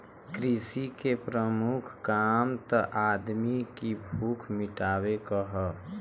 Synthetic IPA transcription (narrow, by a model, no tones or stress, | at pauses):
kɾisikepɾəmukʰkaːmt̪əʔaːd̪mikibʱuːkʰmɪʈaːwekəɦə